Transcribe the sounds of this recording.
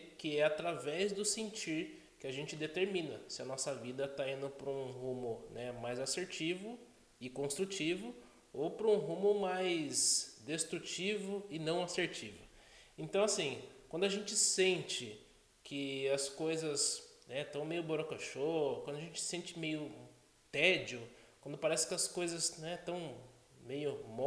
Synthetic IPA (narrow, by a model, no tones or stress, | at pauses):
kɪɛat̪ɾavɛzd̪ʊsẽnt͡ʃiɾ | kɪaʒẽnt͡ʃɪd̪et̪eɾmĩnɐsɪɐnɔsɐvid̪ɐt̪aĩnd̪ʊpɾɐũhũmʊnɛmajzaseɾt͡ʃivʊ | ɪkõst̪ɾut͡ʃivʊ | opɾɐũɦũmʊmajsd̪est̪ɾut͡ʃivʊɪnɐ̃w̃aseɾt͡ʃivʊ̰ẽnt̪ɐ̃w̃asĩkw̃nd̪ʊɐʒẽnt͡ʃɪsẽnt͡ʃɪ | kʰɪɐskojzɐsnɛt̪ɐ̃w̃mejʊboɾɐkaʃokwɐ̃nd̪ʊɐʒẽnt͡ʃɪ̥sẽnt͡ʃɪmejʊ | t̪ɛd͡ʒʊkwɐ̃nd̪ʊpaɾɛsɪ̥kɪɐskojzɐsnɛt̪ɐ̃w̃ | mejʊmɔ